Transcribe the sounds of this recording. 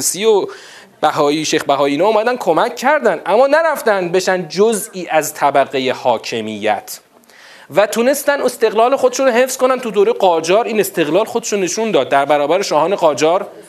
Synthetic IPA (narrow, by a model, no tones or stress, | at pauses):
sio | b̥æɦɒːiʃejxbæɦɒːiiːnɒuːmæd̪ænd̪kʰo̞mæcʰːæɾd̪ænd̪ʔæmːɒːnæɾæft̪ænd̪̚be̞ʃænd̪̚d͡ʒoziːʔæzt̪ʰæbæɣejehɒːcʰe̞mijːæ̰t̪ʰ | væt̪ʰune̞st̪æne̞st̪e̞ɣlɒːle̞xod̪eʃunɾoɦe̞fskonænt̪ʰud̪oːɾejeɢɒːd͡ʒɒːɾiːne̞st̪e̞ɣlɒːlxod̪eʃone̞ʃund̪ɒːd̪̚ːæɾbæɾɒːbæɾeʃɒːhɒːne̞ɣɒːd͡ʒɒːɾ